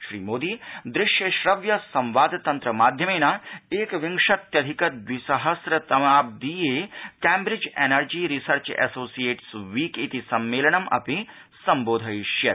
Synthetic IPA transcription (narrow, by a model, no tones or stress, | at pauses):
ʃɾḭːmoːd̪iːd̪ɾɪʃjɐʃɾɐʋjɐsɐ̃mʋaːd̪ʱt̪ɐnt̪ɾɐmaːd̪ʱjɐmeːnɐeːkʋɪŋʂɐt̪jɐd̪ʱikɐt̪̚ʋisɐɦɐsɾɐt̪ɐmaːb̚d̪ijeːkɛːmbɾɪd͡ʒḛnɐɾd͡ʒiːɾisɐɾt͡ʃɛ̰soːsijeːʈsʋiːkit̪isɐmːeːlɐɳɐmʔɐ̰pi | sɐmboːd̪ʱɐjʃjɐɾ